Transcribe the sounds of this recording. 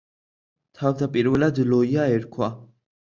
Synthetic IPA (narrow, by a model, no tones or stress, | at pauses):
t̪ʰawt̪ʰapʼiɾwɛlad̪lɔiaɛɾkʰwa